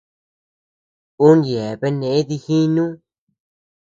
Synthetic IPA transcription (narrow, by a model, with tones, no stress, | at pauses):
u˦nje˨βe˦nẽ˨e˦ði˧xi˦nũ˦